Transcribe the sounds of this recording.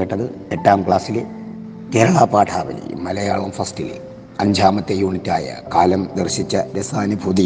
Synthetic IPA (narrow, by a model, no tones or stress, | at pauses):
eʈːɐðɨe̞ʈːaːmkɭaːsil | keːɾɐɭaːpaːʈʰaːʋɐ̰lɐ̰j̰mːɐlɐjaːɭɐmfɐstil̰ | ɐɲd͡ʑʱaːmɐt̪ːejuːɳitːaːjɐ̰kaːlɐmd̪erɕit͡ɕːɐɾɐsaːnibʱud̪i